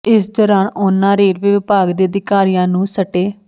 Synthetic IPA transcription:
ɪsd̪ɔːɾaːnʊnːãːɾeːɾʋɪʋɪpaːɡd̪eːəd̪ɪkaːɾijãːnũːsəʈeː

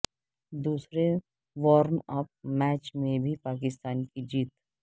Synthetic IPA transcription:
d̪uːsɾe | ʋɔːɾmɐp̚mɛːt͡ʃmẽbʱipaːk̬ɪst̪aːnkid͡ʒiːt̪

